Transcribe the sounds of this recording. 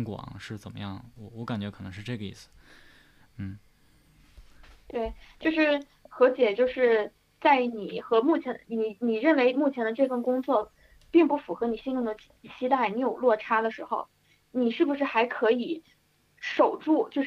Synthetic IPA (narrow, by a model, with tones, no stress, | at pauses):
ŋkwɑ̰˨˩˦ŋʂɻ̩˥˩t͡sə˨˩nmə̰˦jɑ˥˩ŋwɔ˧˩wɔ˧˥ka˨˩nt͡ɕɥɛ˧˥kʰɤ˨˩nɤ˧˥ŋʂɻ̩˥˧ʈ͡ʂɤ˥˩ɡə˦ḭ˥˩sɹ̩˩ | n̩˥˩ | t̪we˥˩ɪt͡ɕjo˥˧ʊʂɻ̩˥˩ | xɤ˧˥t͡ɕjɛ˨˩t͡ɕjo˥˧ʊʂɻ̩˥˧ | t͡sa˥˩ɪni˨˩xɤ˧˥mu˥˩t͡ɕʰjɛ˧˥ni˨˧˩ni˨˩ɻə˥˩nwe˧˥ɪmu˥˩t͡ɕʰjɛ˧˥nd̪ə˧ʈ͡ʂɤ˥˧fə˥˩nkʊ˥ŋt͡swɔ˥˩ | pi˥˧ŋpu˥˩fu˨˩xɤ˧˥ni˨˩ɕi˥nʈ͡ʂʰʊ˥˩ŋd̪ə˩ | t͡ɕʰi˥t̪a˥˩ɪni˧˥jo˨˩ʊlwɔ˥˩ʈ͡ʂʰa˥d̪ə˨ʂɻ̩˧˥xo˧ʊ | ni˨˩ʂɻ̩˥˩bu˩ʂ̬ɻ̩˥˩xa˧˥ɪkʰɤ˧˥i˨˩˦ | ʂo˨˩ʊʈ͡ʂu˥˩t͡ɕjo˥˧ʊ˥